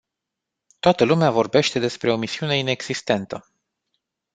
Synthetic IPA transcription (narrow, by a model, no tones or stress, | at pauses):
t̪oat̪əlumeavo̞rbe̞ʃt̪e̞d̪e̞spɾe̞o̞misiune̞ine̞ɡz̥ist̪e̞nt̪ə